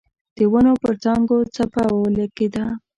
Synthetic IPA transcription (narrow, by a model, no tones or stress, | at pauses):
d̪̥əwənopəɾt͡sɑŋɡot͡sapawoləɡed̪a